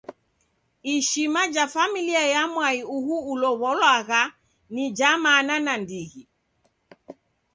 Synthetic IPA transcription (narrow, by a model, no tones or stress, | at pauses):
iʃimad͡ʒafamiliajamwaiuhuːlɔβɔlwaɣa | nid͡ʒamananandiɣi